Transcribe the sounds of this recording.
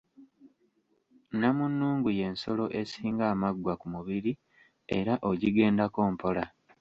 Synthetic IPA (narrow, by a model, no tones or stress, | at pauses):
namunːuːŋɡuje̞nso̞lo̞ʔe̞siːŋɡaːmaɡwakumuβiɾi | e̞ɾaʔoɟiɡe̞ːndako̞ːmpʰo̞la